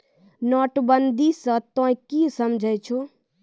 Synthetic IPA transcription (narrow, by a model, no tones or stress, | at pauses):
nɔːʈbənd̪isə̃t̪õːĩkiːsəmd͡ʒʱəet͡ʃʰoː